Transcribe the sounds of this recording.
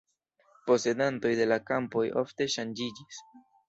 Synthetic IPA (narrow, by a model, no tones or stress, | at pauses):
po̞se̞danto̞jd̪e̞lakampo̞jo̞̰ft̪e̞ʃand͡ʒid͡ʒis